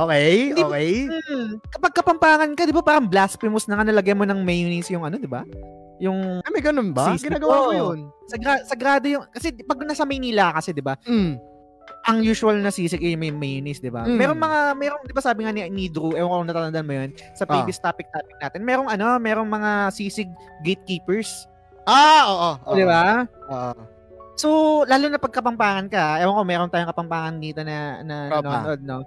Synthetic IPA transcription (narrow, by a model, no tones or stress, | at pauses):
ʔoːkɛjd̪ikɛjm̩ːkɐpɐɡ̚kːɐpɐmpaːŋɐnkɐd̪ɪbapaːɾɐŋblaspɪmʊsnɐŋanɐlɐɡajmo̞nɐŋmejnɪsjʊŋɐno̞d̪ɪba | jʊŋɐmɐɡɐnonbɐiːsɡɪnaːɡɐwaonsɐɡɾaːsɐɡɾaːd̪o̞jʊŋkɐsɛpɐɡ̚nɐsɐmɐjniːlakɐsɛd̪ɪba | ʔɐŋjuːsʊɐlnɐsiːsɪkʔɛjʊŋmɐjmejnɪsd̪ɪba̰mɛːɾoŋmɐŋamɛɾoŋd̪ɪbasaːbɪŋanɪʔɐniːd̪ɾuʔɛːwɐŋkoŋnɐt̪at̪ɐnd̪ɐnmʊjonsɐpijbɪst̪aːpɪk̚t̪aːpɪk̚naːt̪ɪnmɛːɾo̞ŋɐno̞mɛːɾo̞ŋmɐŋasiːsɪɡ̚ːejt̪̚kiːpɛɹs | ʔaoːʔod̪ɪbaoʔo | solaːlunɐpɐɡ̚kɐpɐmpaːŋɐnkɐɛːwɐŋkomɛːɾont̪aːjoŋkɐpɐmpaːŋɐnd̪iːt̪o̞nɐ̰nɐɐnood̪̚no